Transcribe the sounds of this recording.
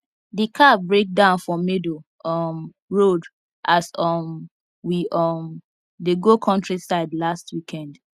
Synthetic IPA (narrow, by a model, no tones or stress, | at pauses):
dikʰabɹek̚dãʊ̃nfɹɔ̃medo | ɔm | ɹod | ʔasɔm | wiɔm | deɡokʰɔ̃ntɹisaɪdlastwikʰɛ̃nd